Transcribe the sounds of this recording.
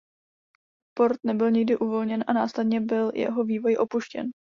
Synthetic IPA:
po̞ɾt̪nɛbɪlɲɪɡdɪʔuvo̞lɲɛnʔanaːslɛdɲɛbɪljɛ̰ɦo̞viːvo̞jʔo̞puʃcɛ̰n

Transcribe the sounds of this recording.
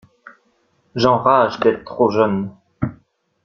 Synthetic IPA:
ʒɑ̃ʁaʒd̪ɛt̪t̪χoʒən

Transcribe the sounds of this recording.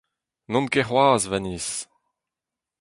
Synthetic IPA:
nɔ̃nkeχwaːzvɛnis

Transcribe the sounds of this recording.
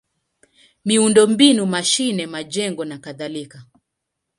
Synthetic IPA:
miundɔmbinumaʃinɛmad͡ʒɛŋɡɔnakaðalika

